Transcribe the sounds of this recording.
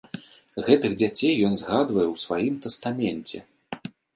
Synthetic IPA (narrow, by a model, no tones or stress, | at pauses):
ɣɛt̪ɨɣd͡zʲat͡sʲejːɔnzɣad̪vɐjɛwsvajimt̪ɛst̪amʲɛnʲt͡sʲɛ̰